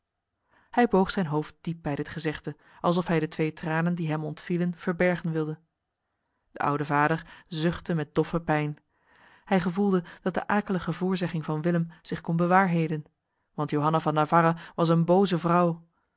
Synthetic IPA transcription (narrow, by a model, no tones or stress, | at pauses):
hɛjbowχsɛjnɦowft̚d̥ip̚bɛjdətχəzɪχtə | ʔɑlˠs̬ɔfɦɛjdətʋejtraːnəndiɦɛmɔntfilənv̥əɹbɛɹχənʋɪlˠdə | d̥əʔʌ̰wdəvaːdəɹzʏχtəmɛt̚d̥ɔfəpɛjn | hɛjχəvulˠdəd̥ɑt̚də̰ʔaːkələχəvʊːɹzɛχɪŋvɑnʋɪləmz̥ɪχkɔnbəʋaːɹɦejdən | ʋɑntjowɦɑnavɑnavaɾaʋɑs̬ənbowzəvrʌw